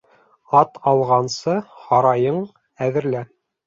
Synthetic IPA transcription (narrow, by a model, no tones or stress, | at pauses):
ɑt̪ʰɑlˠʁɑnsɤhɑɾɑjɤɴ | æðɘ̆ɾlæ